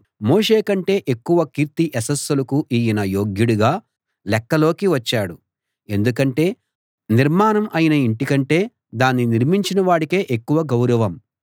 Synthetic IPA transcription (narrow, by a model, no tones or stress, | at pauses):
mo̞ːʂe̞ːkɐɳʈe̞ːʔekːuʋɐkiːɾt̪iʔɛsɐsːɐlɐkuʔiːjɐnɐjo̞ːɡjuɽuɡaː | lɛkːɐlo̞ːkiʋɐt͡ʃːaːɽu | e̞nd̪ukɐɳʈe̞ː | niɾmaːnɐmʔɐjinɐiɳʈikɐɳʈe̞ː | d̪aːnːiniɾmiɲt͡ʃinɐʋaːɽike̞ːʔekːuʋɐɡɐwɾɐʋɐm